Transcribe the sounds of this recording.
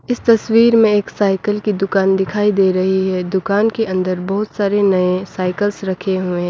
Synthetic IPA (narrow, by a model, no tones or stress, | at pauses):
ɪst̪ɐswiːɾmẽeːksaːɪkəlkid̪ʊkaːnd̪ɪkʰaːid̪eːɾɐɦiɦɛːd̪ʊkaːnkeɐ̃nd̪əɾbɔɦʊt̪saːɾenɐẽsaːɪkəlsɾɐkʰeɦʊẽ